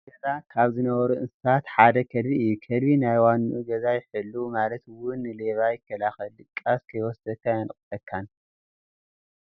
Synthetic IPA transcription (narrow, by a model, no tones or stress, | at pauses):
ɡɐzakʰaβzɨnɐβɐɾuʔɨnsɨsat̪ħad̪ɐkʰɐd̪βiɨjːukʰɐd̪βinajwanuʔuɡɐzajɪħɨlːumalɐt̪wʊnːɨleβajɪkʰːɐlaxɐlːɨkʼːaskʰɐjwɔsd̪ɐkʰːajanχʼɨtɐkʰːan